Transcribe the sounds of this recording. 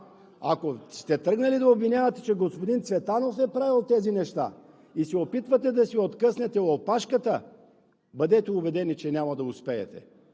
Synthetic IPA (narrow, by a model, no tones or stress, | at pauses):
a̰kost̪ɛt̪ɾəɡnɐlid̪ɐobvinʲjavɐt̪ɛ̥t͡ʃɛɡospod̪int̪svɛt̪anofɛpɾavilˠt̪ɛzinɛʃt̪a̰ | isɛopit̪vɐt̪ɛd̪ɐsiot̪kəsnɛt̪ɛopaʃkət̪ə | bəd̪ɛt̪ɛubɛd̪ɛnit͡ʃɛnʲamɐd̪ɐʊspɛɛ̰t̪ɛ̰